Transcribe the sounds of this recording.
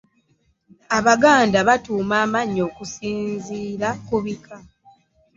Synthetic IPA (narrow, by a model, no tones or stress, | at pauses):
aβaɡaːndaβatuːmaːmaɲːo̞ːkusiːnziːɾakuβikʰa